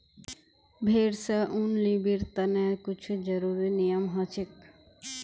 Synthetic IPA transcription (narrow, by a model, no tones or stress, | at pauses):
bʱeɾsaʔunlibiɾt̪anakit͡ɕʰud͡ʑaɾuɾinijamɦɔt͡ɕʰek̚